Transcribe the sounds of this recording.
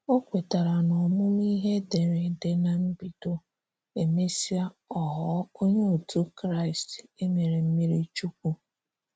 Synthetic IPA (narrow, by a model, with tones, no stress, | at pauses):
o˦kʷe˨ta˨ɾa˨nɔ˨mʊ˦m˦i˦ɦe˦de˨ɾe˨de˨na˨m̩˦bi˨do˦ | e˨me˦si˦a˦ | ɔ˨ɦɔ˦o˦ɲe˦u˨tu˦kɾa˦˨ɪ˨ste˦me˨ɾe˨m̩˦mi˦ɾi˦t͡ʃu˦k̚ʷu˦